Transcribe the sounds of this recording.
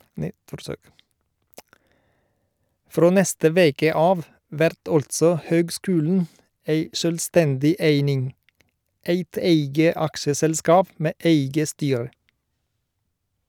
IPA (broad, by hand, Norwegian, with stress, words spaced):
ˈfɾoː ˈnɛstə ˈʋeːkə ˈɑːʋ ˈʋæɾt ˈɔltsɔ ˈhøːɡˌskʉːln̩ ˈeɪ ʃœlˈstɛndɪ ˈeɪnɪŋ ˈeɪt ˈeɪɡə ˈɑkʃəsɛlˌskɑːp ˈmeː ˈʔeɪɡə ˈstyːɹə